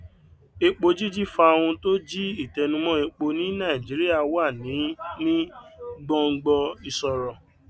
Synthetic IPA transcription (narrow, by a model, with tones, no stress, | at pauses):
e˧k͡po˧d͡ʒi˦d͡ʒi˦fa˧o˧wũ˧to˦d͡ʒi˦i˦˨tɛ˧nũ˧mɔ̃˦e˧k͡po˧nĩ˦nã˦˨i˨d͡ʒi˨˦ɾi˦a˦˧˨wa˦˨nĩ˨˦nĩ˦ɡ͡bɔ̃˧ŋ̩˧ɡ͡bɔ˧i˧sɔ˧ɾɔ˧